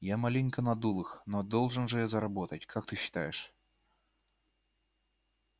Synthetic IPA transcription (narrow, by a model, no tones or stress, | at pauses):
jamalʲinʲkənɐd̪ulˠɨxnod̪olˠʐɨnʐɨjazəɾɐbo̞t̪ətʲkʰakt̪ɨɕːɪ̥t̪ajɪʂ